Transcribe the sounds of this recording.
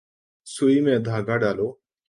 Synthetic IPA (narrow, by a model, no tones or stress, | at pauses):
suimẽd̪ʱaːɡaɖaːlo